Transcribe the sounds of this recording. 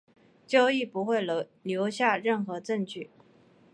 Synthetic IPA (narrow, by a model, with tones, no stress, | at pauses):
t͡ɕjɑ˥˧ʊi˥˩pu˧˥xwe˥˩ɪ | ljo˧˥ʊɕja˥˧ɻə˥˩nxɤ˧˥ʈ͡ʂə˥˧ŋt͡ɕy˥˩